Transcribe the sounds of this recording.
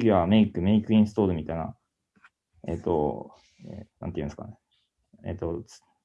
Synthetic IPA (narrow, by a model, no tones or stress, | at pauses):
ɡʲiameikɯ̟meikɯ̟ĩɰ̃st̪o̞ːɾɯ̟mʲit̪aina̰ | et̪ːo | ḛnã̰nt̪ejɯ̃ska̰ne | ḛt̪ːo̥